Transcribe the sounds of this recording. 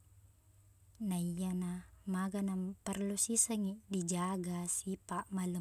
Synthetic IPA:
naijanamaɡanapərlusisəŋidid͡ʒaɡasipaʔmalə

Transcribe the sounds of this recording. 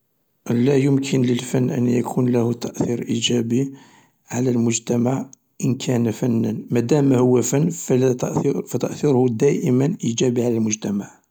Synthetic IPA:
læjʊmkʰənləlfænːʔə̰njæ̰kʰunlæhut̪aʔθiɾʔḭd͡ʒæbi | ʕalælmʊʒt̪æmaʕ | ʔənkʰænfænːənmæd̪æmːæhʊwːæfənːfʔfæt̪əʔθiɾhud̪æʔəmənʔid͡ʒæbiʕalælmʊʒt̪æmaʕ

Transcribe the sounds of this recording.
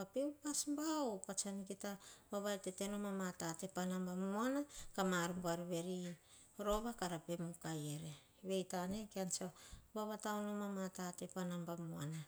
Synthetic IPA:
bapewpasmbaopat͡ʃankitabaβajtete̞nomamatate̞panambamuanakamaɾumbuaɾuβe̞ɾi | ɾo̞βakaɾape̞mukajeɾe | βe̞jtane̞keant͡ʃabaβatawnomamatate̞panambamuana

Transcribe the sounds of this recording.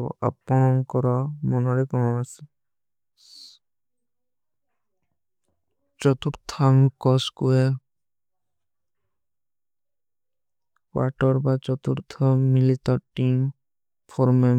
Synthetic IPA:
a̰pɔnɔŋkɔɾɔmɔnɔɾɛkɔɦɔasi | t͡ʃɔt̪uɾt̪ʰaŋkɔskuɛ | kwa̰ʈɔɾbat͡ʃɔt̪uɾt̪ʰɔmilit̪ɔɾʈim | pʰɔɾmɛ

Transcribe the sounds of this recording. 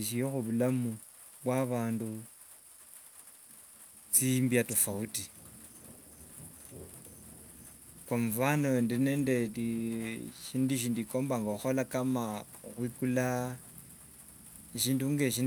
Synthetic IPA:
ʃijoxuβulamu | βwaβaːndu | t͡simbjatofauti | koɱvanondenendedi | ʃindiʃ̬iːndiko̞ːmbaŋɡauxolakama | xwikula | iʃiːnduŋɡeʃ̬in

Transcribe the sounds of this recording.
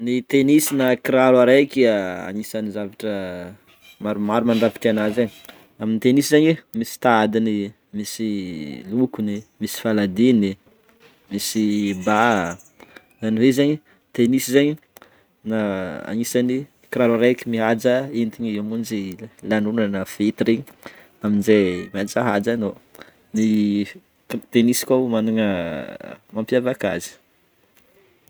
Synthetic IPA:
nit̪enisinakɾaɾwaɾakiaa̰ɲisanizavaʈ͡ʂə | maɾumaɾumaɳɖ͡ʐapi̥ʈ͡ʂanazaɲi̥ | aminit̪enisizaɲemisi̥t̪aad̪ini | misilukunimisi̥falad̪ini | misiba | zanivezaɲi | t̪enisizaɲi | naa̰nisani | kraɾaɾekimiɦad͡ʒaent̪iɲiimund͡ʒilanunanəfet̪ɾiɲ | aminzejmiad͡ʒaɦad͡ʒano | ni | t̪enisi̥kʲamanuŋə | mampjavaka̰zi̥

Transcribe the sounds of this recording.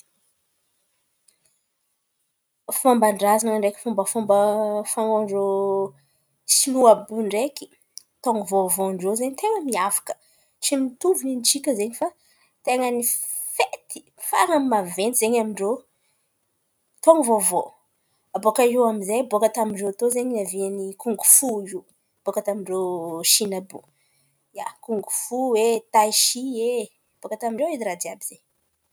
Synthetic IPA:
fambaɳɖ͡ʐazanɳɖ͡ʐekʲi̥fumbəfumbəfaŋoɳɖ͡ʐo | siluabuɳɖ͡ʐekʲi̥ | t̪oŋivovoɳɖ͡ʐozeɲit̪eŋəmiafḁkə̥ | t͡simit̪uvunint͡ʃikʲəzeɲifa | t̪eŋəni | fet̪i̥ | fa̰ŋammavenizeɲamiɳɖ͡ʐo | t̪oŋivovo | abokaiwamizejbokat̪amiɳɖ͡ʐewat̪ozeɲnavianikuŋɡufuiw | b̥okat̪amiɳɖ͡ʐoʃinabṵ | ja̰kuŋɡufuwet̪ajʃie | b̥okat̪amiɳɖ͡ʐewiiɾad̪iabiz̥ej

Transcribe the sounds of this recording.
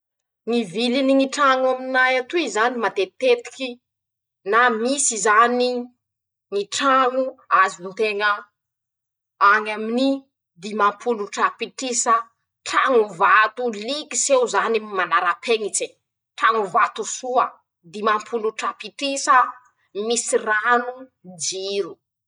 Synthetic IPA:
ŋiviliniŋiʈ͡ʂaŋuaminajat̪uizanimat̪et̪et̪i̥kʲi | namisizani | ŋiʈ͡ʂaŋuazinit̪eŋə | aŋamini | d̪imampʰuluʈ͡ʂapiʈ͡ʂisə | ʈ͡ʂaŋuvat̪ulikisewzanimanaɾapʰeŋit͡se | ʈ͡ʂaŋuvat̪usuə | d̪imampʰuluʈ͡ʂapiʈ͡ʂisə | misiranud͡ʒiɾu

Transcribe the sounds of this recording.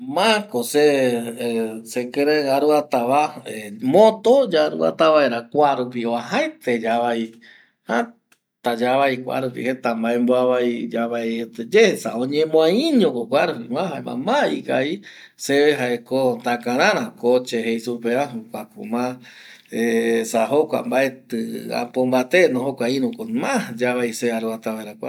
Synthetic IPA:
mãkose | sekeɾeaɾuat̪aβaemõt̪od͡ʒaɾṵa̰t̪aβaeɾakʷaɾupioaɦaet̪ed͡ʒaβai | ha | t̪ad͡ʒaβaikʷa̰ɾupḭhet̪ambaemboaβaid͡ʒaβaeet̪ed͡ʒehesa̰õɲẽmõaĩɲõkokʷaɾupimãɦaema̰maikai | seβeɦaekont̪akãɾ̃ãɾ̃ãkot͡ʃeɦejsupeaɦukʷakṵmã | esaɦokʷa̰mbaet̪ɨa̰pombat̪enõɦokʷaĩɾũkomãd͡ʒaβaiseaɾuat̪aβaeɾakʷa

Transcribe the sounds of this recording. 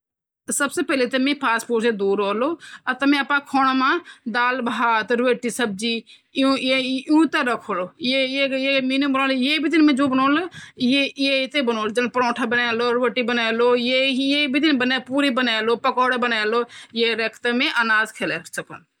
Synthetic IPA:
səbsepɛːlet̪ɐmẽpʰaːspoːʈsed̪uːɾɦoːloːɐt̪ɐmẽəpãkʰoːɳmãd̪aːlbaːt̪ɾʋeːʈisəb̚d͡ʒi | ũeũt̪eɾəkʰoːlojejejeminimbənoːljebʱid̪inmẽd͡ʒoːbənoːljejet̪ebənoːld͡ʒənpəɾõːʈʰabənaːloɾʋeːʈibənaːloːjeijebʱid̪inbəneːpuːɾibənaːloːpəkɔːɽbənaːlojeɾekʰt̪emẽʔənaːzkʰeːleːɾt͡ʃəkə̰n

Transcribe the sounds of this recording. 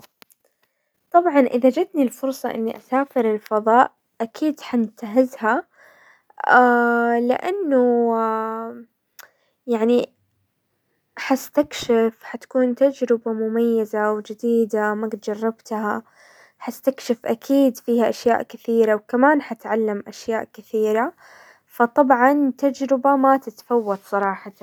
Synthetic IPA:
t̪ˤɑbʕɑnʔɪðad͡ʒɪd̪nilfʊɾsˤɑʔɪ̰nːiʔasaːfɪɾɪlfɑðˤɑːʔ | ʔakʰiːd̪ħanɪt̪aɦɪzha | alɪ̰ʔanːʊ | jaʕni | ħast̪akʃɪfħat̪kuːnt̪ad͡ʒɾɪbamʊmajːazawd͡ʒɪd̪iːd̪amaɡt̪d͡ʒɑrˤːɑbt̪ha | ħast̪akʃɪfʔakʰiːd̪fiːhaʔaʃja̰ːʔkɪθiːɾawkamaːnħat̪ʕalːamʔaʃjaːʔkɪθiːɾa | fɑt̪ˤɑbʕɑnt̪ad͡ʒɾɪbamat̪ɪt̪fawːɑt̪ˤsˤɑɾˤɑːħɑ

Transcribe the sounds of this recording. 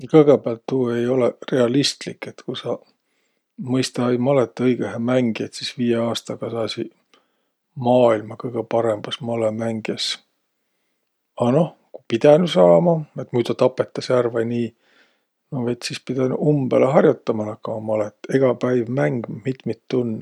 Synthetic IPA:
jɑkɤjɡ̥ebæɑlt̪ːuːe̞jo̞lere̞ɑlist̪likːe̞t̪kusɑ | mɤjst̪ɑejmɑlet̪ːˑɤjɡ̥eɦemæŋɡ̥iet̪sisviːjeɑːst̪ɑɡ̥ɑsɑːsi | mɑːilmɑkɤjɡ̥epɑɾe̞mb̥ɑsmɑlemæŋɡ̥es | ɑno̞h | kupid̪̥ænusɑːmɑe̞t̪mujd̪ɑt̪ɑpːe̞t̪ːˑɑsærvɑjniː | noejt̪sispid̪̥ɑnuʔumb̥eleɦɑrjut̪ːɑmɑnɑkːɑmɑmɑlet̪ːˑeɡ̥ɑpæjvmæŋɡ̥mit̪mit̪ːunː

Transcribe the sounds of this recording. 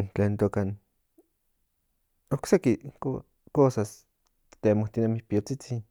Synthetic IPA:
nt͡ɬent̪okan | oksekiko | kosas | t̪t̪emoht̪inemihpijot͡sit͡sin

